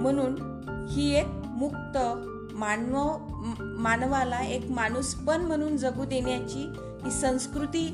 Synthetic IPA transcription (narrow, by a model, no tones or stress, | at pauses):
m̤əɽ̃uːn | hiːek̚ | muk̚t̪ə | man | manʋalaekmaɽ̃uspəɳm̤əɽ̃uːnd͡zəɡuːd̪eɳjat͡ɕiː | ɦisə̃w̃skɾut̪iː